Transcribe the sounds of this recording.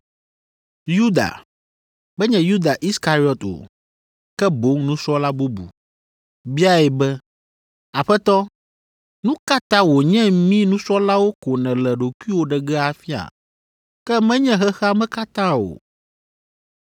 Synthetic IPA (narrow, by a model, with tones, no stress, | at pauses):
ju˦d̪a̰˨ | bɛ˦ɲɛ̃˨ju˦d̪a˨ʔi˦ska˨ɾi˦ɔ˨t̪o̰˨ | kɛ˦bo˨˦ŋnũ˦sɔ˦la˦bu˦bṵ˨ | bi˦a˦ɛ˨bɛ˦ | a˨ɸɛ˦t̪ɔ˦ | nũ˦ka˦t̪ã˦wo˨ɲɛ̃˦mĩ˦nũ˦sɔ˦la˦wo˦ko˨nɛ̃˨lɛ˨ɖo˨kʷu˦i˦wo˦ɖɛ˨ɡɛ˦a˨fi˦a̰˨ | kɛ˦mɛ̃˦ɲɛ̃˦ɦɛ˦xa˦mɛ̃˦ka˦t̪ã˦o̰˨